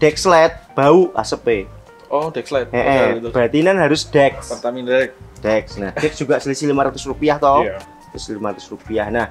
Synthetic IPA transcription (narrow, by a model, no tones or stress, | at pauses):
d̥ɛk̚slɛt̪̚b̥aua̰səpe | ɔd̥ɛkslɛt̪ɛʔɛb̥at̪inanɦaɾʊsd̥ɛk̚art̪aminɛk̚d̥ɛksnahd̥ɛk̚d̥ʒ̥uɡaʔsəlisilimaɾat̪ʊsrupiaht̪ɔ | slslimaɾat̪ʊ̥srupiahnah